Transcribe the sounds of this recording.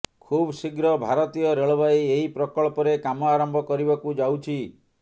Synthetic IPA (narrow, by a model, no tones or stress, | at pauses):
kʰubsiɡɾɔbʱaɾɔt̪ijɔɾeɭɔbajeɦipɾɔkɔɭpɔɾekamɔaɾɔmbʱɔkɔɾibakud͡ʒawt͡ʃʰi